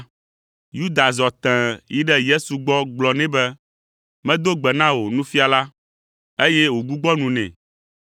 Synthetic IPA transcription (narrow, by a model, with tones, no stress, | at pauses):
ju˦d̪a˨zɔ˨t̪ɛ̃˨ji˦ɖɛ˦je˦su˨ɡ͡bɔ˦ɡ͡blɔ˨nɛ̃˦bɛ˦ | mɛ̃˦d̪o˦ɡ͡bɛ˨nã˦wo˨nũ˦fi˦a˨la˦ | e˦je˦wo˨ɡu˦ɡ͡bɔ˦nũ˨nɛ̰̃˨